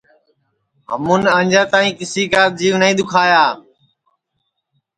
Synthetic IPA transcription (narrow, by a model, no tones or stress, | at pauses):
ɦə̰mũːnəɲd͡ʒãːt̪aːĩːkɪsiːkaːt̪̚d͡ʒiːʋnəĩːd̪ʊkʰaːjaː